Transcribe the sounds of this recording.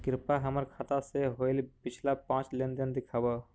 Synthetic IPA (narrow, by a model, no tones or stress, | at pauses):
kɾɪpaɦəməɾkʰat̪aseɦoɪlpɪt͡ʃʰlapãːt͡ʃlend̪ənd̪ɪkʰabə